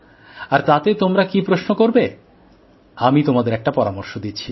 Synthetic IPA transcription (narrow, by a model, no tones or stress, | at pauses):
aɾt̪at̪et̪omɾakipɾoʃnokoɾbe | amit̪omad̪eɾɛk̚ʈapɔɾamoɾʃod̪it͡ɕʰi